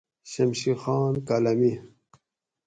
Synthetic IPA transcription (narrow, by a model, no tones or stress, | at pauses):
ɕɐmɕixɑːnkalɐmi